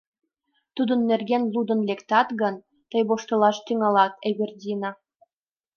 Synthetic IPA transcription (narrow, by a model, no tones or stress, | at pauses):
t̪ud̪ə̆nːerɡenlud̪ə̆nlekt̪ɑt̪ɣə̆n | t̪əjboʃt̪ɤ̆lɑʃt̪yŋɑlɑt̪eβʲerdʲinɑ